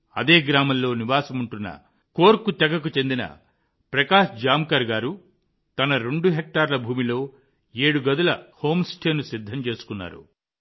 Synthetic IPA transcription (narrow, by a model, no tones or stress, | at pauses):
ɐd̪eːɡɾaːmɐllo̞ːniʋaːsɐmuɳʈunːɐ̰ | ko̞ːɾkut̪ɛɡɐk̬ut͡ʃe̞nd̪inɐ̰ | pɾɐkaːʂd͡ʒaːmkɐɾɡaːɾu | t̪ɐnɐɾeɳɖuɦek̚ʈaːɾlɐbʱuːmilo̞ː | e̞ːɽuɡɐd̪ulɐho̞ːmsʈʰeːnusid̪ʱːɐmt͡ʃe̞ːsu̥kunːa̰ːɾṵ